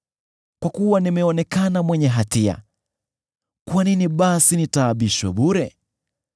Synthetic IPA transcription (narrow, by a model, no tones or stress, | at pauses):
kwakuwanimɛɔnɛkanamwɛɲɛɦatia̰ | kwaniniɓasinitaːɓiʃwɛɓuɾɛ